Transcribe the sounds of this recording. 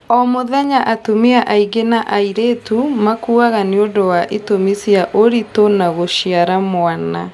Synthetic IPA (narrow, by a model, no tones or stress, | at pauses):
ɔmoðɛɲaʔatumiaʔaiɡenaʔaiɾetumakuːaɣaniodowaʔetomisiaʔoɾitonaɣoʃiaɾamwana